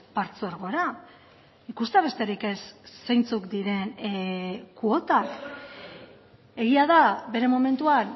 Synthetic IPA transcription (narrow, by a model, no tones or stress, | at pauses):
paɾt͡soɾɣo̞eɾa | ikust̪eaβe̞st̪eɾike̞sːejnt͡sukd̪iɾe̞n | kuo̞t̪ak | e̞ɣiað̞abe̞ɾe̞mome̞nt̪uan